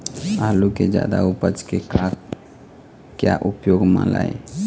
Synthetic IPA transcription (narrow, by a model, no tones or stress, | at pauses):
aːluked͡ʒja̰ːd̪aupət͡ʃkekak | kjaʔupjoːɡmã̰lae